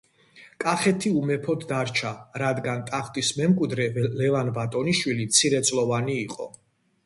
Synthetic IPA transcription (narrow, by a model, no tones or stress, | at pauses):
kʼaχɛt̪ʰiumɛpʰɔd̪d̪aɾt͡ʃʰaɾad̪ɡant̪ʼaχt̪ʼismɛmkʼwid̪ɾɛvɛlɛvanbat̪ʼɔniʃwilit̪sʰiɾɛt̪sʼlɔvaniːqʼɔ̰